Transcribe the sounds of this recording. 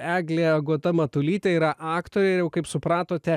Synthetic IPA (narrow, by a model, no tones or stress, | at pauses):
æːɡlʲeːɐɡoːt̪ɐmɐt̪ʊlʲiːt̪ʲɛiːɾɐʔɑːkt̪oːɾʲeːjɛʊkɐɪpsʊpɾɑːt̪oːt̪ʲɛ